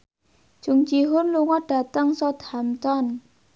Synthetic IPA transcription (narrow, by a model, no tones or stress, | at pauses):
d͡ʒ̥ʊŋt͡ʃiɦʊnluŋɔɖ̥a̤t̪əŋsɔd̪amt̪ɔn